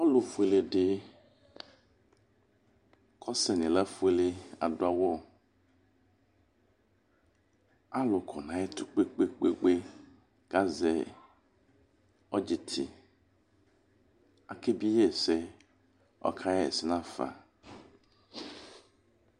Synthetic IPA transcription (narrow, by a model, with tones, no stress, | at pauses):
ɔ˦lo˨fu˨e˨le˨ɖe˨˦ | kɔ˦sɛ˨nĩ˨la˦fu˦e˦le˦a̰˨do˦a˨wɔ˦ | a˦lo˨kʰɔ˨nã˨˦e˦t̪u˨k͡pe˦k͡pe˦k͡pe˦ɡ͡be˦ | ɡ̥a˦zɛ˨ | ɔ˦d͡ʑi˨t̪ʰḭ˨ | a˨ke˦bi˦je˦˨sɛ˦ | ɔ̰˦kʰa˦jɛ˦ɛ̰˨si˨nã˦fa̰˨